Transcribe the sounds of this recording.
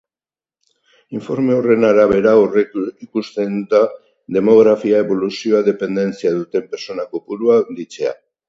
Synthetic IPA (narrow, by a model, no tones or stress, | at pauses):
iɱfo̞ɾme̞o̞re̞naɾaβ̞e̞ɾaoreikust̪e̞nd̪a | ðe̞mo̞ɣɾafiae̞βo̞lusio̞aðe̞pe̞nd̪e̞nt͡siaðut̪e̞mpe̞ɾt͡so̞nako̞puɾuand̪it͡se̞a̰